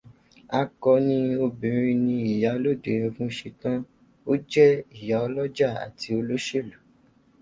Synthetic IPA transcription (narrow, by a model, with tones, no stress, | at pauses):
a˧kɔ˧nĩ˧o˧bĩ˨˦ɾ̃ĩ˧nĩ˧i˨ja˨˦lo˦˨de˨jɔ̃˧fũ˦ʃe˧tã˦ | o˦d͡ʒɛ˦i˦˨ja˨ɔ˧lɔ˦d͡ʒa˦˨a̰˨ti˧˦o˧lo˦ʃe˦˨lu˨